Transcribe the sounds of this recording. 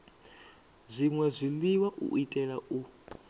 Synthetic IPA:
zʷiŋwɛzʷiliwaʔṵʔitʼɛlaʔu

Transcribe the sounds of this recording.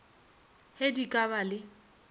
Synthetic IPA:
hedikʼabalɪ

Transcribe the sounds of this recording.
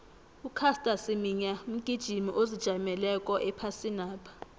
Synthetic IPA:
ukʰastʼasimiɲam̩ɡ̥ʱid̥ʒ̥ʱimḭʔozid̥ʒ̥ʱamɛlɛkʼɔʔɛpʰasinaːpʰḁ

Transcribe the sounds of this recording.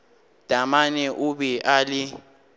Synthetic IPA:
d̥ʱamanɛʔuɓɛʔalɪ

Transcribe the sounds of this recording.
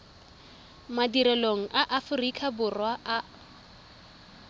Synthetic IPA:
madiɾɛloŋ̩ʔaʔafʊrikʼʰabʊrwaʔa

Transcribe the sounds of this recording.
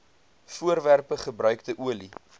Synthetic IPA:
fuərværpəχəbɾœɥk̚təʔuəli

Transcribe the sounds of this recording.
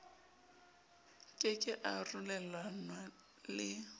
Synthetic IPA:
kʼɪkʼɪʔarulɛlanwa | lɪ

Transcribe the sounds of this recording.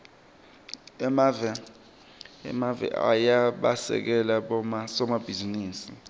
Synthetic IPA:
ɛmavɛ | ɛ̰mavɛ̰ʔa̰jaɓasɛ̰k̬ɛlaɓɔsɔmab̥ʱiziniːsi

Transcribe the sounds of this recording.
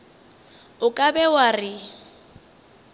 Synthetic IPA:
ʊkʼabɛwarɪ

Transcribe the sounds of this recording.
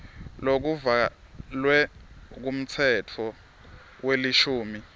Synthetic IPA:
lok̬uva | lwɛk̬um̩t͡sʰɛtʰɔ | weliʃuːmi

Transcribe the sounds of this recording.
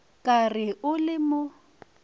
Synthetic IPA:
kʼarɪʔʊlɪmʊ

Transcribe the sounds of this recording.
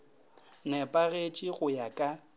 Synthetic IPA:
nɛpʼaɣet͡ʃʼɪɣʊjakʼa

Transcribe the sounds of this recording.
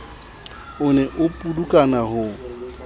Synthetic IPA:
ʊnɛʔʊpʼudukʼanaɦʊ

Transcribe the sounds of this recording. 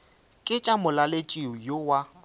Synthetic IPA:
kʼɪt͡ʃʼamʊlalet͡ʃʼiʊjowa

